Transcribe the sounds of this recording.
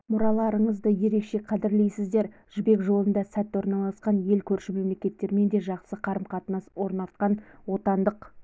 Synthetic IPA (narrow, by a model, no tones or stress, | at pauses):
mʊɾɑlˠɑɾəɴəzd̪əje̞ɾe̞kʃe̞qʰɑd̪ɪɾle̞jsɪzd̪e̞ɾʒ̥ʏbe̞kʒo̞lˠənd̪ɑsæt̪ːwo̞ɾnɑlˠɑsqɑnje̞lkʲʰɵɾʃɪme̞mle̞kʲe̞t̪ːe̞ɾme̞nd̪e̞ʒɑq̪səqʰɑɾəmqʰɑt̪nɑswo̞ɾnɑlˠt̪qɑnwo̞t̪ɑnd̪əq